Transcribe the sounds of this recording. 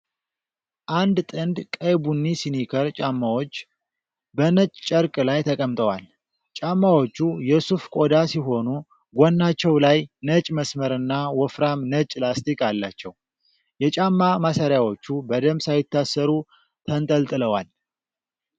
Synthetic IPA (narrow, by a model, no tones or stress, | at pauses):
ʔand̪t̪ʼɨnd̪kʼəjbunːisinikʰəɾt͡ʃʼamːawo̞t͡ʃː | bənət͡ʃʼt͡ʃʼːəɾkʼɨlajt̪ʰəkʼəmt̪ʼəwal | t͡ʃʼamːawot͡ʃːujɛsufkʼo̞d̪asiɦo̞nu | ɡʷonːat͡ʃːɛwlajnət͡ʃʼməsməɾɨnːawɔfɾamnət͡ʃʼlast̪ʰikʼalːat͡ʃːɛw | jɛt͡ʃʼamːamasəɾjawo̞t͡ʃːubəd̪əmsajɪt̪ːasːəɾu | t̪ʰənt̪ʼəlt̪ʼɨləwal